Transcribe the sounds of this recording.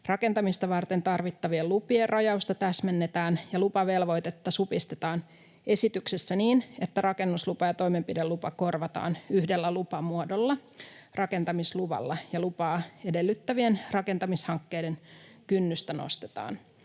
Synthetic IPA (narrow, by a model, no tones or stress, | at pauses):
rɑke̞nt̪ɑmist̪ɑʋɑrt̪e̞nt̪ɑrʋit̪ːɑʋiellupierrʔɑjɑust̪ɑt̪æsmenːet̪æːnjɑlupɑʋe̞lʋo̞jt̪et̪ːɑsupist̪et̪ɑːn | e̞sit̪yksesːæniːne̞t̪ːærɑke̞nːuslupɑjɑt̪o̞jme̞mpidelupɑko̞rʋɑt̪ɑ̰ːnyhdelːælupɑmuodolːɑrɑke̞nt̪ɑmisluʋɑ̰lːɑjɑlupɑːe̞de̞lːyt̪ːæʋie̞nrɑke̞nt̪ɑmishɑŋkːe̞jde̞nkynːyst̪æno̰st̪e̥t̪ɑ̰ːn